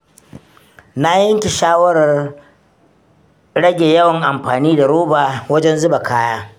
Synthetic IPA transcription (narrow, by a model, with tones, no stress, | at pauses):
na˦jɐ˦ŋkʲe˨ʃaː˦wɐ˦ɾɐ˨r | ɽɐ˦ɡʲeː˨jɐ˦wɐ˨ŋʔa˨mɸaː˨niː˦da˨ɾoː˦baː˨wɐ˦d͡ʒɛ˦nzʊ˦ba˨kʰaː˦jaː˦